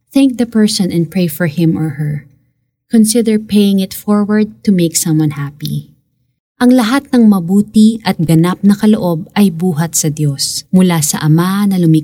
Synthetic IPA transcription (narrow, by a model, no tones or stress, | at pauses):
θæŋk̚ðɐpɛɹsɔ̃nɛ̃n̚pɹejfɔɹhɪ̃mɔɹhɛɹ | kɔnsɪd̪ɛɹpejɪŋɪt̪fɔɹwɐɹd̪̚t̪umeɪksɐ̃mwɐ̃nhapḭ | ʔɐŋlɐɦat̪̚nɐŋmɐbuːt̪iʔɐt̪̚ɡɐnap̚nɐkɐloʔo̞b̚ɐjbuːɦɐt̪̚sɐd̪josmʊlasɐ̰ʔɐmanɐlʊmi